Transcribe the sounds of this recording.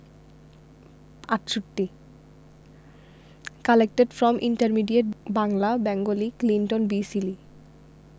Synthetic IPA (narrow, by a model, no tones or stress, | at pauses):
aʈʃoʈːi | kalek̚ʈeɖfɾɔmʔḭɳʈaɾmiɖieʈ̚baŋlabɛŋɡoliklinʈonbisili